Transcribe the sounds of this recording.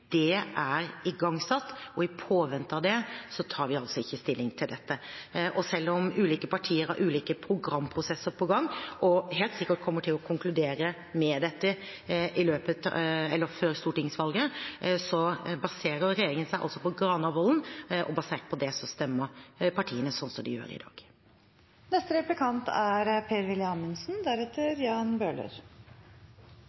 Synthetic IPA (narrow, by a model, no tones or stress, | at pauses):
d̪̥ɛʔæɾɪɡɑŋːsɑt̪ːɔɪpʰoːʋɛnt̪ɑʋd̪ɛsɔt̪ʰɑːɾʋɪɑlsɔɪçːəst̪ɪlːɪŋt̪ʰɪld̪ɛt̪ːəʔɔsɛlːɔmʉːliːkəpɑʈʰiːəɾhɑ̰ɾʔʉːliːkəpʰɾʊɡɾɑmːpʰɾʊsɛsːəɾpʰɔɡɑŋːʔɔɦeːlt̪sɪkːəʈ̚kʰɔmːəʈʰɪlɔkʰʊŋklʉd̪eːɾə | mɛd̪ɛt̪ːə | ɪløːpət̪ʰɛlːəɾføɾst̪uːʈɪŋsʋɑlɡəsɔbɑseːɾəɾɾɛjeːɾɪŋənsæɪɑ̰lsɔpɔɡɾɑːnɑʋɔln̩ʔɔ̰bɑseːʈpʰɔd̪ɛsɔst̪ɛmːəɾpʰɑʈʰiːənəsɔnsɔd̪ɪ̰jø̰ːɾɪ̰d̪ɑ̰ːɡ̥ | nɛst̪əɾɛplɪkʰɑnt̪æɾpʰeːɾʋɪlɪɑnənsn̩d̪æɾɛt̪ːəɾjɑːnbøːɭə̰ɾ